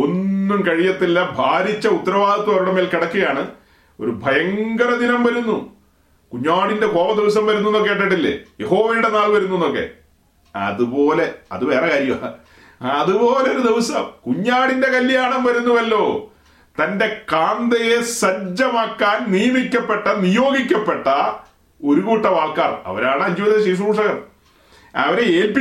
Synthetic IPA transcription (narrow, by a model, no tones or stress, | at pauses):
o̞nːumkɐɻijɐt̪ːilːɐbʱaːɾit͡ɕːɐut̪ːɐɾɐʋaːd̪ɐt̪ːɐɐɾuɽemeːlkiɽɐkːuɣɐjaːɳɨ | o̞̰ɾubʱɐjɐŋɡɐɾɐd̪inɐmʋɐɾunːu | kuɲːaːɽinde̞ko̞ːʋɐd̪iʋɐs̬ɐmʋɐɾunːunːokːeːʈːɐʈːilːḛje̞ɦo̞ːʋɐjuɽe̞naːlʋɐɾunːunːokːe̞̰ | ɐ̰ðupo̞ːle̞ɐðuʋe̞ːrɐkaːɾjɐma | ɐðupo̞ːleoɾud̪iʋɐsɐ̰mkuɲːaːɽinde̞kɐljaːɳɐmʋɐɾunːuʋɐlːo̞ː | t̪ɐnde̞kaːnd̪ɐje̞sɐɲd͡ʑɐmaːkːaːnnijɐmikʲːɐpːe̞ʈːɐnijo̞ːɡikʲːɐpːe̞ʈːɐ | o̞ɾuɣuːʈːɐʋaːɭkaːrɐ̰ʋɐɾaːɳɨɐɲd͡ʑiʋiðɐɕiːʂ̬umuːʂɐɣɐr | ɐ̰ʋɐɾeeːlpi